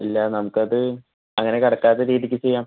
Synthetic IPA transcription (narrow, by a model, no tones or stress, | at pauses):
ilːɐnɐmukːɨɐðɨ | ɐŋːɐne̞kɐɽɐkːaːðeɾiːðikʲːɨt͡ɕejːaːm